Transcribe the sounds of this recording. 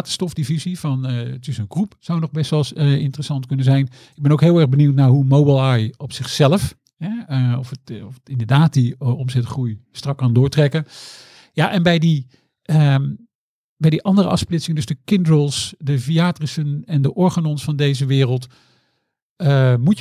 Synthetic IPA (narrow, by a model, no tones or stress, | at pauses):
təstɔfdivizivɑntɪsənkrupsawnɔχbɛstʋɛlˠsɪ̰ntərəsɑntkɵnəzɛjn | ɪɡ̚bɛnowkɦɪːlˠɛɹbəniwtnaɹɦumowbəlˠajɔpsɪχsɛləf | ɦɛɔfətɔfətɪndəɹdaːt̚diɔmzɛtχrujstrɑkːɑndʊːɹtrɛkə | jaʔɛnbɛjdi | ə | bɛjdiʔɑndəɾə̰ʔɑ̰fsplɪtsɪŋədɵsdəkɪndɹəlˠsdəviaːtrisənɛndəʔɔɹχanɔnsfɑndejzəʋɪːrəlˠt | əmu